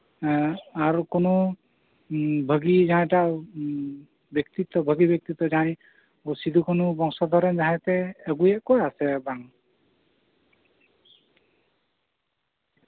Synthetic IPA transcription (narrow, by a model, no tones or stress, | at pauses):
aɾkono | bʱəɡid͡ʒaɦãj̃ʈaʔ | bjəkt̪it̪ɔbʱəɡibjək̚t̪it̪ːɔd͡ʒaɦaĩ | osid̪ʱukʰɔnubɔŋsɔd̪ʱɔɾɔnd͡ʒaɦãt̪ɛːɡujeʔkɔjasɛbaŋ